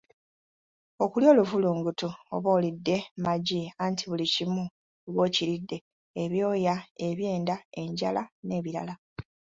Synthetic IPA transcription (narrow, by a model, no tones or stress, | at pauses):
o̞kuljo̞ːluvuluːŋɡutuo̰βo̞ːlidːe̞maɟiantʰiβulicimu | βo̞ːciɾidːe̞ː | βjo̞ːjae̞βje̞ːndae̞ɲɟa̰lane̞ːβiɾa̰la